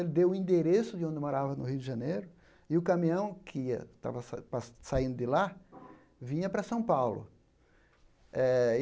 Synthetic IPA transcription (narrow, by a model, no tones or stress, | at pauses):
elɪd̪ewʊĩnd̪eɾesʊd̪ɪõnd̪ɪmoɾavɐnʊɦiwd̪ɪʒɐ̃nejɾʊ | ɪʊkɐ̃mĩɐ̃w̃kʰɪiɐ̰t̪a̰vɐsapassaĩnd̪ʊd̪ɪla | vĩɲɐpɾɐsɐ̃w̃pawlʊ̰ | ɛ